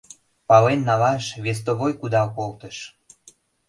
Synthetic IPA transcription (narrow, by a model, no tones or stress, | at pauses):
pɑlenːɑlɑʃβes̬t̪oβojkud̪ɑkolt̪əʃ